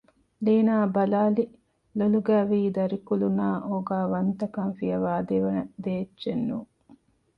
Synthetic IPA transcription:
leːnaːbɐlaːli | loluɡæːʋiːd̪ɐɾikulunaːʔoːɡaːʋɐnt̪ɐkɐnfijɐʋaːd̪eʋɐnɐd̪eːt͡ʃːt͡ʃːenːuː

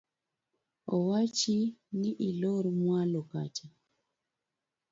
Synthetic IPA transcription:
ɔwat͡ʃiniʔilɔɾmwalɔka̰t͡ʃa

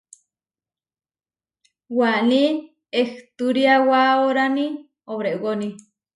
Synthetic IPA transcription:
waʔni | eht̪uɾiawaoɾani | oβɾeʔwoni

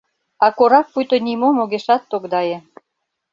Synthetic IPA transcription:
ɑkoɾɑk̚pujt̪onimomoɣeʃɑt̪ːokd̪ɑjĕ

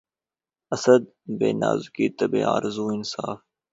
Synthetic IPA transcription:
əsəd̪̚beːna̰ːzkiːt̪əbḛːa̰ːɾɪzuːɪnsaːf

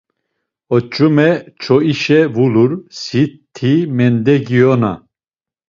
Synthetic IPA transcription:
ɔt͡ʃʼumɛt͡ʃʰɔiʃɛvuluɾsitt̪ʰːimɛnd̪ɛɡijɔna̰

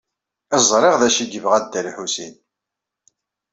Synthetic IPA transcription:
əzˤɾˤeʁðæʃiɡəvʁæd̪ːælħusḭn

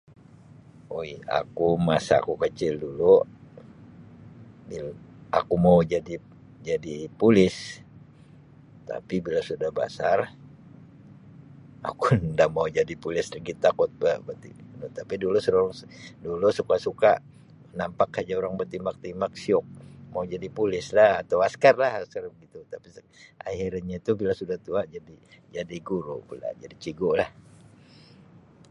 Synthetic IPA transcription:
oja̰kumasa̰ːkukət͡ʃɪldulu | bia̰kumaud͡ʒadi | d͡ʒadipulɪs | t̪a̰pibilasudahba̰sar | a̰kundaʔmaud͡ʒadipulɪsdəɡit̪akʊt̪̚bəbət̪inut̪apidulusuŋdulusukasuka | nampakhad͡ʒaoɾaŋbət̪imak̚t̪imak̚siʊk̚maud͡ʒadipulɪslahat̪awaskarlahaskarbəɡit̪ut̪apis | a̰hiɾaɲait̪ubilasudaht̪uad͡ʒadid͡ʒadiɡuɾubula̰d͡ʒadit͡ʃiɡʊlah

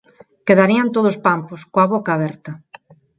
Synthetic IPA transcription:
keðaɾiant̪oð̞ospamposkoaβokaaβɛɾt̪ɐ

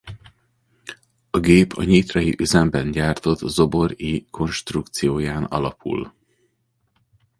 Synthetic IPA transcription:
ɒɡeːpʰɒ̰ɲit̪rɒjiʔyzɛmbɛnɟaːrt̪o̞t̪zo̞bo̞ɾiːkʰo̞nʃt̪rukt̪sijoːjaːnɒ̰lɒpʰṵl

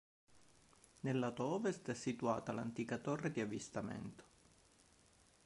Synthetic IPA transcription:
nelːat̪ɔvest̪ɛsːit̪ua̰ːt̪ala̰nt̪iːkat̪orːed̪iavist̪amḛnt̪o̥

